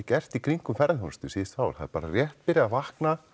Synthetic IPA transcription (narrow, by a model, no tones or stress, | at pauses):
cɛr̥t̪ikɾiŋkʏmfɛɾðɪhɔnst̪ʏsɪsaːwɾ̥ha̰ðɪɾpaːɾarjɛht̪̚pɪɾɪavahkna